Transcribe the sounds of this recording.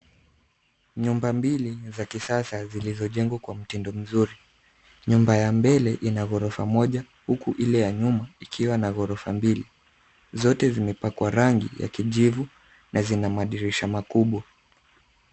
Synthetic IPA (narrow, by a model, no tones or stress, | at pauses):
ɲumbambilizakisasazilizɔʄɛŋɡwakwam̩tindɔm̩zuɾi | ɲumbajambɛlɛʔinaɣɔɾɔfamɔʄa | hukuʔilɛjaɲumaikʰiwanaɣɔɾɔfambili | zɔtɛzimɛpakwaɾaŋɡḭja̰kiʄivu | nʔazinamaaɗiɾiʃamakuɓwa